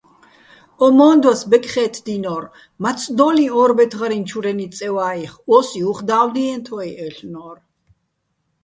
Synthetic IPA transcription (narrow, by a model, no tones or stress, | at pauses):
ɔmɔːnd̪wasbɛkʼχɛt̪ʰd̪inɔɾ | mat̪sʰʼd̪ɔliɔɾbɛt̪ʰʁɾint͡ʃʰuɾɛnisʼɛwaiχɔsiuχd̪aːwniɛnt̪ʰɔjʔɛɬnɔɾ